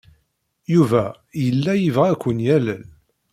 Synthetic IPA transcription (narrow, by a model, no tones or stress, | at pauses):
juvæ | jəlːæjivʁækʷːənjælən